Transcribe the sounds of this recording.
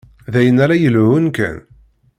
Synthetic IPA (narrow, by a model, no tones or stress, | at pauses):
ðæjənæɾæjəlʕʊnkæ̰n